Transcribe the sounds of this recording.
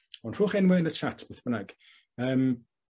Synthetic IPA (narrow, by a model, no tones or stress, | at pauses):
ɔnr̥ʊːχɪnwɛnət͡ʃʰatʰb̥ɛθbənaɡ̥ | əːm